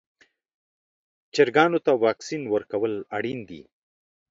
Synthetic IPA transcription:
t͡ʃeɾɡɑnot̪awɑksinwəɾkawəlaɽind̪ḭ

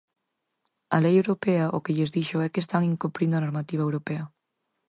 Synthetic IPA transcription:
ɐlejewɾopɛɐʔo̰keʎezðiʃoɛkest̪aŋiŋkompɾind̪ʊanoɾmat̪iβ̞ɐewɾopɛɐ

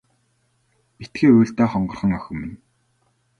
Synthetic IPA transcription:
pit̪ɡeːuːɮt̪ɔːχɔɴɢɞ̆rχə̆ŋœxʲɵ̆mːɘ̆n

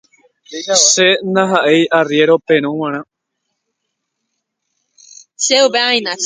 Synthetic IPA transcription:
ʃenaɦaʔe̞jʔarje̞ɾopẽɾ̃õw̃ãɾ̃ã | ʃeupeãĩnã

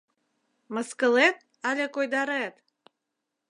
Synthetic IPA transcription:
mə̆skə̆let̪̚ | ɑlʲekojd̪ɑɾet̪

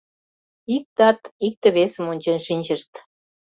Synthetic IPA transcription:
ik̚t̪ɑt̪ik̚t̪ə̆βesə̆monʲt͡ɕenʃinʲd͡ʑəʃt̪

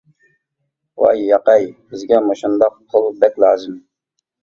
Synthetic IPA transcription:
wɑ̰jːɑqɑjb̥ɪzɡʲɛmoʃund̪ɑq̚ʰʊlˠbɛkʲlɑːzɪm

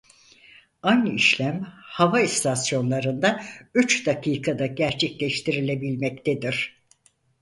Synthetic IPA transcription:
anɯiʃlʲæmhavaist̪ʰasjo̞nlˠaɾɯnd̪ayt͡ʃd̪akʰiːkʰad̪aɟæɾt͡ʃʰɛclʲɛʃt̪ʰiɾilʲebilʲmɛct̪ʰed̪iɾ̥

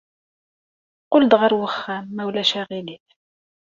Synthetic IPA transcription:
qʊld̪ʁəɾwəχːæmːæwlæʃæʁiliθ

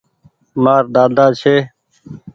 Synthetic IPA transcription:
maːɾd̪aːd̪aːt͡ʃʰeː

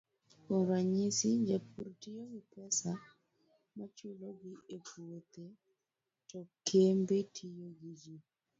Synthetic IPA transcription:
komɾaɲisid͡ʒapuɾtijoɡipɛsa | mat͡ʃuloɡiebuot̪e | tɔkʰembetʰijoɡid͡ʒi

